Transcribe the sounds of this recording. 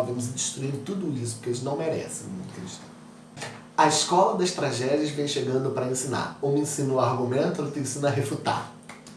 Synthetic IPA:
vɐ̃mʊzd͡ʒiʃt̪ɾuiɾt̪ud̪ʊisʊ̥kelɪʒnɐ̃w̃meɾɛ̰sẽt̪eʃt̪ | ɐiskɔlɐd̪ɐʃt̪ɾaʒɛd͡ʒiɐzvẽj̃ʃeɡɐ̃nd̪ʊpɾɐẽsĩna̰ɾõẽsĩnʊaɾɡumẽnt̪ʊʊt̪ẽsĩnɐɦefut̪a̰ɾ

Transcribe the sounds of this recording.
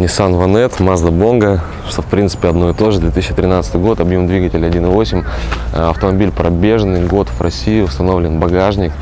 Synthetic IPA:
nʲɪsanvɐnɛt̪mazd̪əbo̞nɡə | fpɾʲint̪sɨ̥pʲɪɐd̪no̞ɪt̪o̞ʐɨd̪vʲet̪ɨsʲːɕːɪt̪ɾʲɪnat̪sɨ̥t̪ɨjɡo̞t̪ɐbjumd̪vʲiɡətʲɪlʲɐdʲinɨvo̞sʲɪmʲɐft̪əmɐbʲilʲpɾɐbʲe̞ʐənːɨjɡo̞t̪vrɐsʲijɪʊst̪ɐno̞vlʲɪnbɐɡaʐnʲɪk

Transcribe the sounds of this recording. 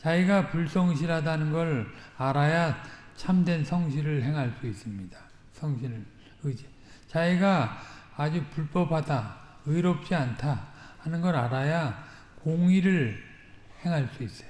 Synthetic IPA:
t͡ɕaiɡapuɭs͈ʰʌŋɕ̬ʰiɾɦadanɯnɡʌɾaɾajat͡ɕʰamdwe̞nsʰʌŋɕ̬ʰiɾɯɭɦe̞ŋɦaɭs͈uis͈ɯmɲidḁ | sʰʌŋɕʰiɾɯɭ | ɯd͡ʑe | t͡ɕaiɡaː | d͡ʑupuɭp͈ʌpʰada | ɯiɾʌp̚t͡ɕ͈iantʰahanɯnɡʌɾaɾaja | koŋiɾɯɭ | he̞ŋɦaɭs͈uis͈ʌ̥jo

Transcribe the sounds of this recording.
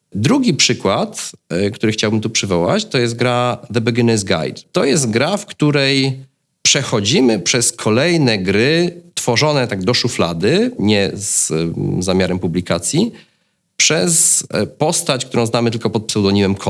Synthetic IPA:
d̪ɾuɡʲipʂɘkwat̪kt̪uɾɘxt͡ɕawbɘmt̪upʂɘvɔwa̰t͡ɕt̪ɔjɛst̪̚ɡɾaðɛbɛɡʲinɛzɡa̰jt̪ːɔjɛst̪ɡɾafkt̪uɾɛj | pʂɛxɔd͡ʑimɘpʂɛskʰɔlɛjnɛɡɾɘt̪fɔʐɔnɛt̪aɡ̚d̪ɔʂufla̰d̪ɘɲɛzzamʲjaɾɛmpublʲikat̪sʲji | pʂɛspɔst̪at͡ɕk̚t̪uɾɔ̃w̃znamɘt̪̬ɘlkɔpɔt̪̚psɛwd̪ɔɲimɛmkʰɔ

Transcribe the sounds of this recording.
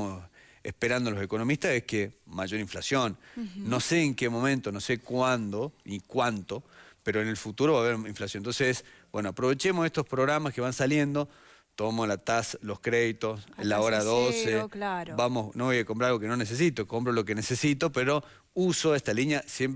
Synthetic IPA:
os | ḛspeɾand̪oalose̞ko̞no̞mist̪asehkemaʒo̞ɾiɱflasjonːo̞seːŋkemo̞mẽ̞nt̪onose̞kwand̪oikwant̪o̞peɾoene̞lfut̪uɾo̞βaːβeɾiɱflasjont̪onsesbwe̞no̞apɾo̞βe̞t͡ʃemosest̪ospɾoɣɾamaskeβansalje̞nd̪o̞ | t̪o̞mamoslat̪aslo̞skɾeðit̪oslaoɾaðoselabamosnoβojakompɾaɾalɣo̞kenoneses̬it̪oko̞mpɾolo̞kenesesit̪opeɾo̞ | usoest̪aliɲjasjem

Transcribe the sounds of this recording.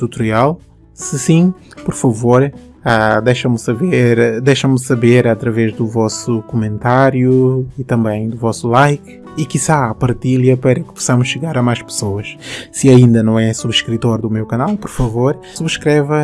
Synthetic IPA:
t̪ut̪uɾialˠ | sɨsĩpɔɾfɐvoɾ | ad̪ejʃɐmsɐβeɾd̪ejʃɐmsɐβeɾɐt̪ɾɐvɛʒd̪uvɔsukumẽnt̪aɾjuit̪ɐ̃mbɐ̃j̃d̪uvɔsulˠajk | ikisapɐɾt̪ilɐpɛɾɐkɨ̥pu̥sɐmʊʃːɨɣaɾɐmajʃpɨ̥soɐʃsɨɐĩnd̪ɐnɐ̃w̃ɛsuβʃkɾit̪oɾd̪umewkɐnalˠpɔɾfɐvoɾ | suβʃkɾɛvɐ

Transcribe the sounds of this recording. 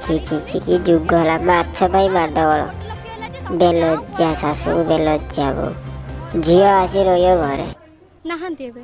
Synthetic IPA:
t͡ʃʰit͡ʃʰit͡ʃʰikid͡ʒuɡɔlamatːt͡ʃʰɔbʱaimaɖɔbɔɭɔ̰ | belɔd͡ʒasasṵkubɛlɔd͡ʒabɔ̰d͡ʒʱiɔasiɾɔjɔɡʱɔɾɛ̰

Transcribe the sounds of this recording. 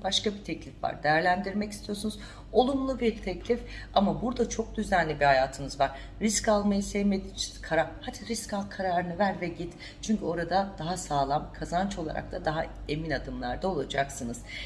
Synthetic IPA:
baʃkabit̪ʰɛclʲifva̰ɾd̪ejæɾlʲænd̪iɾmɛcist̪ʰijo̞ɾsunuz | o̞lˠumlˠubiɾt̪ʰɛclʲifamabuɾd̪at͡ʃʰo̞k̚d̪yzænlʲibihajaːt̪ʰɯnɯzvaɾ̥ːiscalˠmajasɛjmed̪it͡ʃʰi̥kʰaɾahat̪ʰiɾiscalˠkʰaɾaːɾɯnɯvæɾvɛɟit̪ | t͡ʃʰyɲcʰyo̞ɾad̪ad̪̥aɦasaːlˠamkʰazant͡ʃo̞lˠa̰ɾʔa̰k̚t̪ʰad̪aɦae̞minad̪ɯmlˠaɾd̪ao̞lˠad͡ʒaksɯnɯz̥

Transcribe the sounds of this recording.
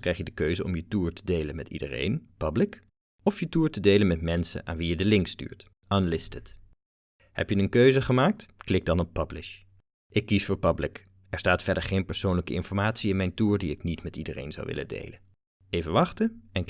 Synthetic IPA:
krɛjχjədəkøɥzəɔ̰mjətuːɹtə̥dejlənmɛtḭdə̰rḛjnpɑblɪk | ɔfjətuːɹtədejlənmɛtmɛnsə̰nʔa̰ːnʋijədəlɪŋksty̰ːɹt | ənlɪstət | hɛ̰pjənənkøɥzəχəmaːk̚tklɪɡ̚dɑnɔpːɑblɪ̰ʃ | ʔɪkːisfʊːɹpɑblɪk | ɛɹstaːtfɛɹdəɹχejnpɛɹsownləkəɪnfɔɹmaːtsiɪnmɛjntuːɹdiɪknitmɛtidərḛjnzɑ̰wʋɪ̰lə̰ndḛjlə | ejvəʋɑχtəɛn

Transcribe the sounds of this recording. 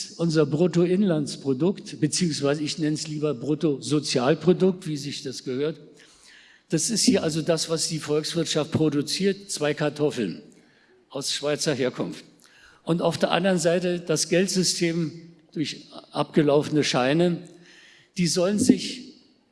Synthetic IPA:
ʔʊnzɐbʁotoɪnlant͡spʁ̥odʊktb̥ət͡siːʊŋsv̥aɪzəɪçnɛnəsliːbɐbʁotozot͡sjaːlpʁ̥odʊk̚tv̥iːzɪçd̥asɡ̥əhøːɐt | d̥asɪsthiːɐʔalzodasv̥asd̥iːfɔlksv̥ɪɐtʃaft̚pʁ̥odut͡siːɐtt͡sv̥aɪkʰaɐtʰɔfl̩n | ʔaʊsʃv̥aɪt͡sɐɦeːɐkʰʊnft | ʔʊnta̰ʊfd̥eːɐʔa̰ndəʁənzaɪtəd̥asɡ̥ɛltz̥ʏstʰeːmd̥ʊɐçʔa̰pɡ̥əlaʊfənəʃaɪnə | d̥iːzɔlənzɪç

